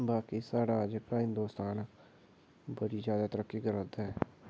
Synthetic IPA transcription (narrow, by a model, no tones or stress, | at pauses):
baːkiːsaːɽaːd͡ʒkaːɦɪ̃nd̪oːst̪aːn | bəɽiːd͡ʒjaːd̪aːt̪əɾəkːiːɡəɾaːd̪aːɦɛː